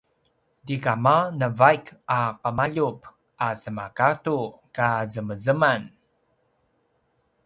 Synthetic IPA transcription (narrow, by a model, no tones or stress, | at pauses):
dikamanəvajkaqəmaʎup | ʔasəmakatukazəməzəman